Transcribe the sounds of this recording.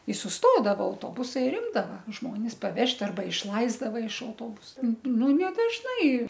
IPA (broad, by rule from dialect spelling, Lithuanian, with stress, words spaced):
ɪ sʊsˈtoːdɐʋoː ɐʊˈtoːbʊsɐɪ ɪr ˈɪmdɐʋɐ ˈʒmoːnʲɪs pɐˈʋʲɛʃʲtʲ ɐrˈbɐ ɪʃˈlˠɐɪzdɐʋɐ ɪʃ ɐʊˈtoːbʊsɐ ˈnʊ nʲɛ dɐʒˈnɐɪ